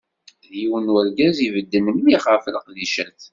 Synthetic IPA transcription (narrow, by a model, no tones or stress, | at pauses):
ðjiwənwəɾɡæzivəd̪ːənənmiχafləqðiʃæθ